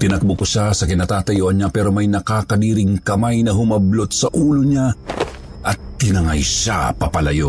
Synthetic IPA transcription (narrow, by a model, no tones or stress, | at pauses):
t̪ɪnɐk̚bokoʃasɐkɪnaːt̪aːt̪ɐjoːʔɐnɲapɛːɾo̞mɐjnɐkaːkɐd̪iːɾɪŋkɐmajnɐɦʊmɐblot̪̚sɐʔuːloɲa | ʔɐt̪ːɪnɐŋajʃa̰pɐpɐlɐjo